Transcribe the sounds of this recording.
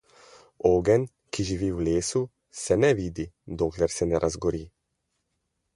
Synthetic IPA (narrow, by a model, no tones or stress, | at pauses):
oːɡɛn | kiʒiʋiːwleːsu | sɛnɛʋiːd̪id̪oːklɛɾsɛnɛɾʔazɡɔɾiː